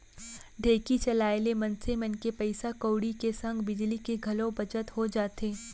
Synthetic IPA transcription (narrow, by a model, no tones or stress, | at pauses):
ɖʱeːkit͡ʃɐlaːelemɐ̃nsemənkepɐɪsakoːɽikesɐ̃ŋɡbɪd͡ʒlikeɡʱɐlõbɐt͡ʃət̪ɦod͡ʒaːt̪eː